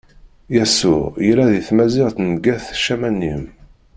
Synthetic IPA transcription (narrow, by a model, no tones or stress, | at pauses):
jæsʊ̰ʁjəlæðiθmæzɪʁθnɡæθʃæmænːim